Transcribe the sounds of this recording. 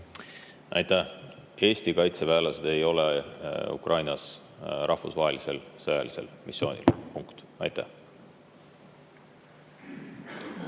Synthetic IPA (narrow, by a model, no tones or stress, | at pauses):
ɑ̰jt̪æ | e̞ːsʲt̪ikɑjt̪sevæːlɑsed̪̥e̞jo̞leṵkrʔɑjnɑs | ɾʔɑhfusvɑːɦelise̞lsɤjɑlise̞̰lmḭsːjo̞ːnʲḭlpuŋkt̪ | ɑ̰jt̪ːæ̰h